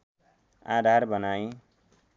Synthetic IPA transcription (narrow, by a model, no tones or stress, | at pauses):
a̰d̪ʱarbʌnaj̃